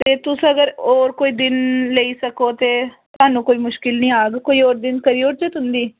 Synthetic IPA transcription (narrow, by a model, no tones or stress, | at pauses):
t̪eːt̪ʊsəɡəɾɔːɾkoːiːd̪ɪnleiːsəkoːt̪eː | t̪ʊaːnũːkoːiːmʊʃkɪlnĩːaːɡkoːiːoːɾd̪ɪnkəɾiːʊɾd͡ʒət̪ɦʊnd̪iː